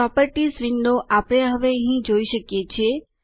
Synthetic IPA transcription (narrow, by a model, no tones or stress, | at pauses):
ɔpəɾʈisʋɪnɖ̪oʔapəɽ̃eɦəʋeəɦĩd͡ʒoiʃəkjet͡ʃʰe